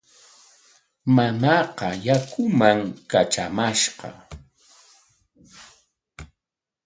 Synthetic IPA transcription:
manɑqɑjakʊmaŋkaʈ͡ʂamaʃqɑ̰

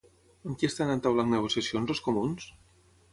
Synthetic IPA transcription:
əŋkiest̪anent̪awlaŋnəɣ̞osjasionzðoskomuns

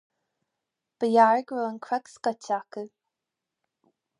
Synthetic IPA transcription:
b̥əjaɹɡɹoːənkʰɹɛkskətakə

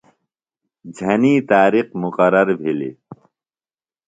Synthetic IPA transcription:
d͡ʑʱɐniːt̪aːɾiqmuqɐɾɐɾbʱilḭ

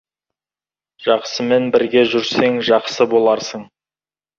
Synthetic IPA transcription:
ʒ̥ɑqsəme̞nbɪɾɡʲe̞ʒʏɾse̞ŋʒɑqsəbo̞lˠɑɾsəɴ

